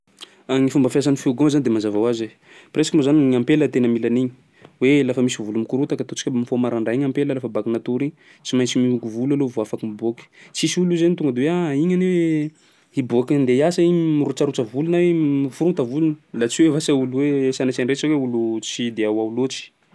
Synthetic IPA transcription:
aŋifumbəfjasanifiɡozanid̪emanzavawaze | piɾesḁkimozaniɲampelət̪enəmilaniɲi̥ | welafəmisivulumikuɾut̪akat̪ot͡si̥kʲamifomaɾaɳɖ͡ʐaiɲampeləlafəbakinat̪uɾi | t͡ʃimajt͡simiukuvulalovoafakimiboki̥t͡sisiulizenit̪uŋɡəd̪eweaiɲanew | iboknd̪eiasaimiɾut͡ʃaɾut͡ʃəvulunamifuɾuŋt̪avulunə̥lat͡siwevasauluwesanat͡ʃanret͡ʃaweulut͡sid̪eawawulot͡ʃi̥

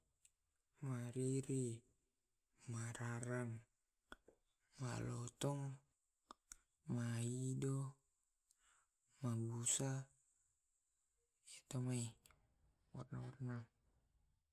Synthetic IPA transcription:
maɾiɾi | maɾaɾaŋ | ma̰lɔt̪ɔŋ | maidɔ | mabusa | et̪omai | wɔrnawɔrna

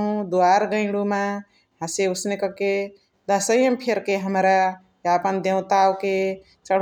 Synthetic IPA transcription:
ɦũd̪uaɾɡə̃ɪ̃ɽumã | ɦãseʊsnekəke | d̪əsəjəmpʰeɾkeɦəmɾa | japənd̪ewt̪awke | t͡ʃəɽ

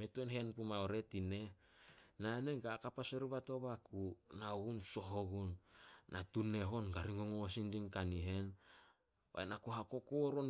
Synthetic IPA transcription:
metuenɦe̞npumaoɾe̞tine̞ | nane̞ɡakapaseɾuβato̞βakunaoɡunso̞ɦoɡunːatune̞ɦo̞nɡaɾiŋoŋoosindiŋkaniɦe̞n | βa̰enakuɦako̞koɾon

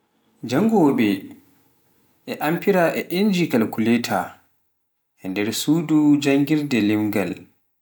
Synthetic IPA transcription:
d͡ʒaŋɡɔwɔɓɛ | ʔɛʔampiɾaʔɛʔind͡ʒikalkuleːtʰa | ʔɛndɛɾsuːdud͡ʒaŋɡiɾdɛlimɡa̰l

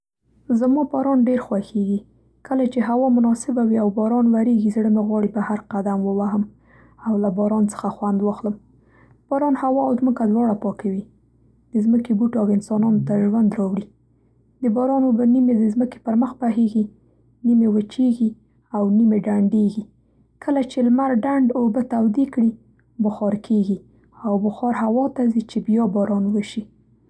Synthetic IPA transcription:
zamɑbɑɾɑnɖeɾxwaxeɡi | kəlat͡ʃeɦawɑmʊnɑsɪbawiawbɑɾɑnwaɾeɡizɽəmeɣwɑɽibəhaɾqad̪amwəwaɦəm | awlabɑɾɑnt͡sə̥xaxwand̪wɑxləm | b̥ɑɾɑnhawɑawzməkad̪wɑɽapɑkawi | d̪̥əzməkebuʈoawɪnsɑnɑnot̪aʒwand̪ɾɑwɽi | d̪əbɑɾɑnobanimed̪əzməke̥pəɾməxpaɦeɡi | nimewət͡ʃeɡi | awnimeɖaɳɖeɡi | kʰəlat͡ʃelmaɾɖaɳɖobət̪awd̪ikɽi | bʊxɑɾkʰeɡi | awbʊxɑɾɦawɑt̪azit͡ʃebjɑbɑɾɑnwəʃi

